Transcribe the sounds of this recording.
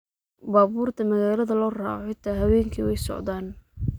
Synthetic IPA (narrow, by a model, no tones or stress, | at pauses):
baːβuːrt̪ʰɐmɐɣaːlɐðɐlɔːra̰ːʕħɪt̪ʰaːɦɐwɛːŋkʰḭwɛjsɔ̰ʕd̪aːn